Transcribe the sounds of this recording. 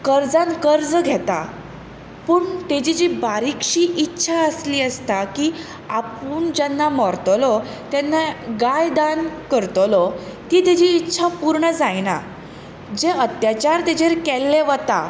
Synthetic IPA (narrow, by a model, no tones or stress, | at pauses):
kəɾd͡zãnkəɾd͡zɡʱɛt̪a̰ | pəɳt̪ed͡ʑid͡ʑiːbaɾikɕiːʔitːɕʰaəsliːəst̪aki | apuːɳd͡ʑanːamɔɾt̪lɔ | t̪janːaɡajd̪ankəɾt̪ɔlɔt̪iːt̪ed͡ʑiːtːɕʰapuɾɳəd͡zajna̰ | d͡ʑeʔət̪jat͡ɕaɾt̪ed͡ʑeɾkɛlːeʋət̪a̰